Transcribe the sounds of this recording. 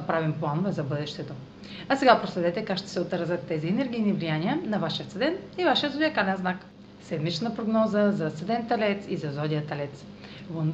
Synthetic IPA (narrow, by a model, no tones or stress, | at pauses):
ɐpɾavimplˠanovɛzɐbɤd̪ɛʃt̪ɛt̪o | ɐsɛɡapɾoslɛd̪ɛt̪ɛkakʃt̪ɛ̥sɛot̪ɾzət̪ːɛziɛnɛɾɡ̟ʲijnivlijaniənɐvaʃiət̪səd̪ɛnivaʃiət̪zod̪ʲijəkalɛnznak | sɛd̪mit͡ʃnəpɾoɡnɔzəzɐsɛd̪ɛnt̪ɐlɛt̪sizɐzɔd̪ʲijət̪ɐlɛt̪s | von